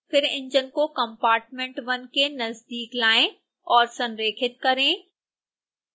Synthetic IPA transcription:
pʰɪɾɪ̰̃ɲd͡ʒənkokɐ̃mpaːɾʈmẽɳʈʋɐnkenɐzd̪iːklaːẽ | ɔːɾsɐ̃nɾeːkʰɪt̪̚kɐɾẽː

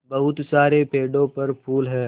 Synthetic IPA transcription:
bɐɦʊt̪saːɾepeːɖõpɐɾpʰuːlɦɛː

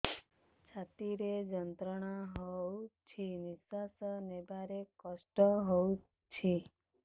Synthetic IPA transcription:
t͡ʃʰat̪iɾed͡ʒənt̪ɾəɳ̃aɦowt͡ʃʰenisasənebʱaɾekəsʈəɦowu | t͡ʃʰe

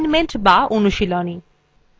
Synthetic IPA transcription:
nmenʈbaonuʃiloni

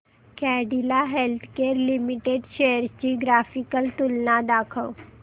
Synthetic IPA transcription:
kɛːɖilaɦelt̪ʰkeːɾlimiʈeːɖʃejəɾt͡ɕiɡɾaːfikəlt̪ʊlnad̪aːkʰəw

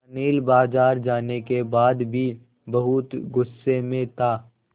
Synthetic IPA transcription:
ɐniːlbaːzaːɾd͡ʒaːnekebaːd̪bʱi | bɐɦʊt̪ɡʊsːemẽt̪ʰaː

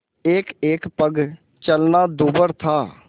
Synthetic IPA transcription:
eːkeːkpəɡ | t͡ʃəlnaːd̪uːbəɾt̪ʰaː

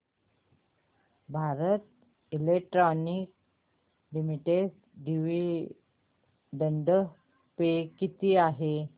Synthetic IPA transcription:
bʱaɾət̪̚ | ilek̚ʈɾɔnik̚ | limiʈes | ɖiʋi | ɖəɳɖə | pekit̪iːaɦe

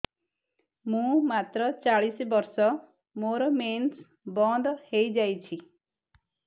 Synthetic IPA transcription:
mũmat̪ɾɔt͡ʃaɭisbɔɾsɔ | moɾɔmens | bɔnd̪hejd͡ʒajt͡ʃʰi

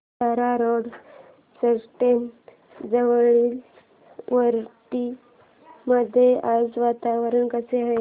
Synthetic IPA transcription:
aɾaɾoɽ | səsʈen | d͡zəʋɭil | ʋəɾʈi | məd̪ʱːjeʔasʋat̪aʋəɾənkəseɦa

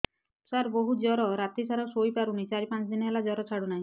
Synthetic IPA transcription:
saɾboɦud͡ʒɔɾɔɾat̪isaɾɔsojpaɾunit͡ʃaɾipãnt͡ʃd̪inɛlad͡ʒɔɾɔt͡ʃʰaɽunaɦĩ

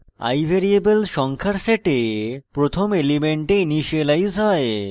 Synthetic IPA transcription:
a̰jbʱeɾiebelʃɔŋkʰaɾseʈepɾot̪ʰomelimeɳʈeiniʃelajzɦɔe

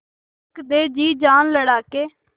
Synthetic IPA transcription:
kd̪eːd͡ʒiːd͡ʒaːnləɽaːkeː

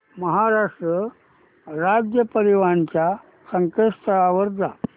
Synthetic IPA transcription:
məɦaɾaʂʈɾə | ɾad͡ʑjəpəɾiʋaɳt͡ɕja | səŋkeʂt̪əaʋəɾd͡za

